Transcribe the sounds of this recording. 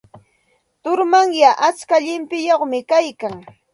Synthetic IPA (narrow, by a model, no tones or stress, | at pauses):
t̪ʊɾmaŋjaʔat͡ʃkaʎɪmpɪjoχmɪkajkaŋ